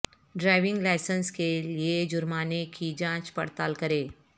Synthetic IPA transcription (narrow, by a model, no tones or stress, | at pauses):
ɖɾaːɪʋɪ̃ŋɡlaːɪsənskelied͡ʒʊɾmaːnekid͡ʒãːt͡ʃpɐ̰ɽt̪aːlkəɾeː